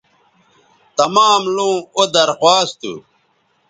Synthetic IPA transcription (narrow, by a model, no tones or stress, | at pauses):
t̪ɐmaːmlũːod̪ɐɾxwaːst̪ṵ